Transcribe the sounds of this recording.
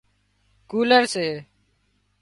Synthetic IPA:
kuːləɾseː

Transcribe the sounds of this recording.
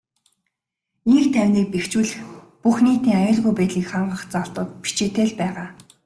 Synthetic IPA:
iŋkt̪ʰæwniːk̚pekt͡ɕwɘ̆ɮx | puxniːt̪iːŋajʊːɮɣujpæːt̪ɮiːkχaɴɢə̆χt͡saɮt̪ə̆ːt̪̚pi̥t͡ɕeːt̪eːɮpæːʁaː

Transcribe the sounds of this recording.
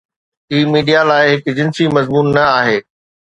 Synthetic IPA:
iːmiːɖijalaːɪɦɪkd͡ʑɪ̃nsimɐzmuːnːɐaːɦeː

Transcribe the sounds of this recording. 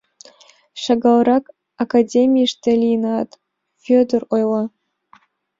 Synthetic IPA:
ʃɑɡɑlˠɾɑk | akadʲemʲijʃt̪ĕlʲijnɑt̪ | fʲød̪ərojlˠɑ

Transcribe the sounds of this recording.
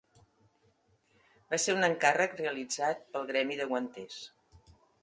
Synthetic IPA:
baseunəŋkarəkreəlid͡zat̪̚pəlˠɣɾɛmiðəɣwənt̪es

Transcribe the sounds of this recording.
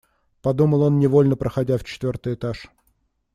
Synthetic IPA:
pɐd̪uməlˠo̞nnʲɪvo̞lʲnəpɾʔəxɐdʲaft͡ɕɪ̥t̪vʲo̞rt̪ɨjɪt̪aʂ

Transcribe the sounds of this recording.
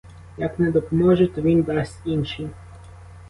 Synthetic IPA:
jɐknɛd̪ɔpɔmɔʒɛt̪ɔʋʲind̪ɑsʲtʲinʃi

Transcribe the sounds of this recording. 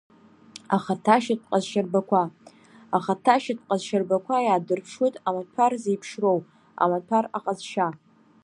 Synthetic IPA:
aχatʰaʃat̚ʰʼqʼazʃarbakʷʰa | aχatʰaʃat̚ʰʼqʼazʃarbakʷajaːdɨrpʰʂwutʼamatʰarzejpʰʂrow | a̰matʰara̰qʼazʃa

